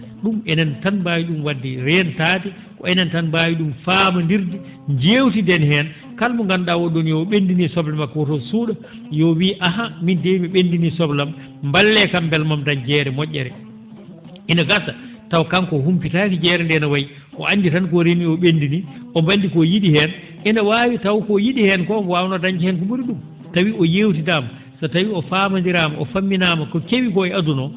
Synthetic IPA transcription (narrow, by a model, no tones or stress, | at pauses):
ɗumɛnantanbawiɗumwadːiɾɛntaːti | kɔɛnantanbaːwiɗumfaːmandiɾdi | ɲd͡ʒeːwtidɛnhɛn | kalmɔŋɡanɗawɔɗɔnjɔɓendinisɔblɛmakɔtɔsuːɗa | jɔwiʔaɦamindemiɓendinisɔblamː | balːɛkambɛlmamtand͡ʒɛɾɛmɔʔʲːɛ̰ɾɛ̰ | inaɡasa | tawkankɔhumpitakid͡ʒɛːɾɛndɛnawaji | ʔɔʔanːditankɔɾeniɔɓendiniʔɔmbandikɔjiɗihɛn | ʔinawaːwitawkɔjiɗihɛnkɔwawnadaɲd͡ʒɛhɛnkuɓuɾiɗum | tawiɔjewt̬idaːma | satawiɔfaːmandiɾamaʔɔfamːinaːmakɔkewikɔɛadunɔ